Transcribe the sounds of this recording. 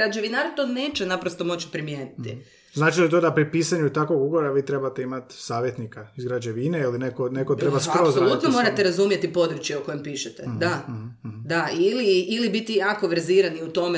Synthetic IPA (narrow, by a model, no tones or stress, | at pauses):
ɾad͡ʒeʋinaɾat̪one̞ːt͡ʃenapɾost̪o̞mo̞t͡ʃi̥pɾimjeːnitt̪i | znaːt͡ʃilit̪o̞d̪apɾipiːsaɲut̪akʋoɡuɡoɾaʋiːt̪ɾe̞bat̪eimat̪saːʋjet̪nikaizɡɾad͡ʒeʋineilinekonekot̪ɾebaskɾaozsolˠut̪nomo̞ɾat̪eɾazumjet̪ipo̞d̪ɾut͡ʃjeoko̞jempiːʃet̪ed̪a | d̪ailiilibit̪ijaːko̞ʋeɾziɾaniut̪o̞me